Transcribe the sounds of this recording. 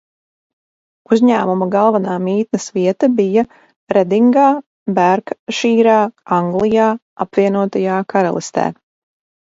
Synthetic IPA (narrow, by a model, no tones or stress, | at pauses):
uzʲɲæːmumaɡalˠvanaːmiːt̪̚nɨsviɛt̪abija | ɾɛd̪iŋɡaː | bæɾkʃiːɾaːaŋɡlˠijaː | a̰pviɛnuɔt̪ajaːkaɾa̰lˠist̪ɛ̰ː